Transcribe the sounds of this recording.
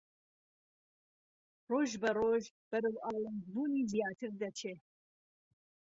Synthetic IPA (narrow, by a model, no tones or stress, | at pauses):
roːʒbɐroʒ | b̥ɐɾɐwʔɑːlˠanzbuːniːzijaːt̪ʰɨɾd̪ɐt͡ʃʰeː